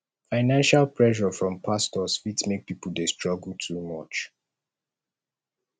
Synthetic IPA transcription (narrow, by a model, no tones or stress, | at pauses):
faɪnãnʃalpʰɹɛʃɔfɹɔ̃mpʰastɔsfitsmek̚pipəl̩destɹɔɡl̩tʰumɔt͡ʃ